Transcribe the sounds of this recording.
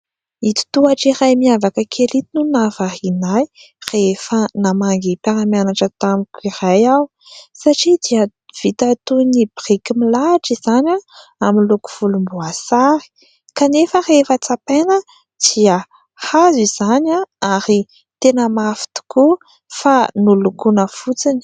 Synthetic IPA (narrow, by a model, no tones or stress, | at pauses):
it̪u̥t̪uaʈ͡ʂiɾajmiavakəkʰelit̪inunavahinaj | refənamaŋɡipaɾamjanaʈ͡ʂət̪amikʲiɾajaw | saʈ͡ʂid̪iə | v̥it̪at̪unibirikimilaʈ͡ʂizanaaminluku̥fulumbuasaɾi̥ | kanefərefət͡sapenə | d̪̥iə | haziz̥anaaɾi | t̪enəmafi̥t̪u̥ku | fanulukunəfut͡sin̥